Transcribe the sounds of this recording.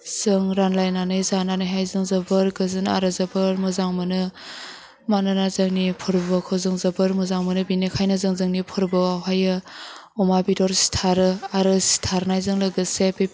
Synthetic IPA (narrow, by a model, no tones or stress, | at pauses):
z̥ɯŋɾanlajnanɯjzananɯjɦajzɯŋzɐbɯɾɡɯzɯna̰ɾɯzɐbɯɾmɯzaŋmɯnɯ | manɯnazaŋnipʰɯɾbakʰɔzɯŋzɐbɯɾmɯzaŋmɯnɯbinekʰajnɯzɯŋzɯŋnipʰɯɾbɯwaɦajɯ | ɔmabidɔɾsi̥tʰaɾɯaɾɯsi̥tʰaɾnajzɯŋlɯɡɯsepe